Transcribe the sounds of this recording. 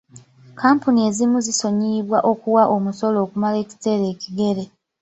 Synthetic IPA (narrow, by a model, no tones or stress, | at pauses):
kaːmpunie̞ːzimuziso̞ɲiβwaʔo̞kuwaʔo̞muso̞lo̞ːkumale̞ːci̥te̞ːɾe̞ːciɡe̞ɾe̞